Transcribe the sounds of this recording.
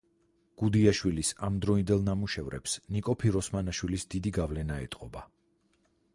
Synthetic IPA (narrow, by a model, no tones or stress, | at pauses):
ɡ̥ud̪iaʃwilisamd̪ɾɔind̪ɛlˠnamuʃɛvɾɛ̰psnikʼɔpʰiɾɔsmanaʃwilisd̪id̪iɡavlɛnaɛ̰t̪ʼqʼɔba